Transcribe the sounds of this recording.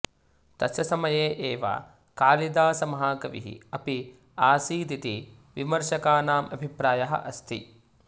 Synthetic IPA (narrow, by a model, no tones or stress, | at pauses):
t̪ɐʃɐsɐmɐjeːʔeːʋa̰ː | kaːlid̪aːsɐmɐɦaːkɐʋḭɦḭɐpi | aːsiːd̪it̪i | ʋimɐɾʃɐkaːnaːmɐbʱipɾaːjɐɦɐ̰ʔɐst̪ʰḭ